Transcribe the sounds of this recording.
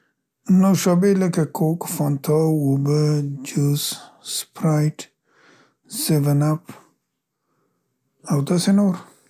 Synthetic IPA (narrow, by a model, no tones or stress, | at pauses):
noʃobeləkakʰokfɔnt̪ʰɔubəd͡ʒusspɾajʈ | sɪvənap | awd̪asenoɾ